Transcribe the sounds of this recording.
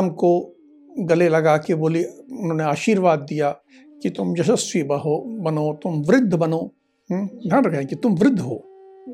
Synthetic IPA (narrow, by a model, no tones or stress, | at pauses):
mko | ɡɐlelɐɡakeboːliʊnɦõːneaːʃiːɾʋaːd̪ːija | kit̪ʊmd͡ʒɐsəsʋiːbəɦobɐnoːt̪ʊmʋɾɪd̪ʱːəbɐnoː | d̪ʱãnɾɐkʰɛ̃kit̪ʊmʋɾɪd̪ʱːɦo̰ː